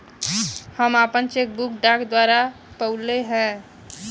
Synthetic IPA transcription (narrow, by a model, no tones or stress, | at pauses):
həmapənt͡ʃek̚bukɖakd̪waɾa | pəuleɦɛ̃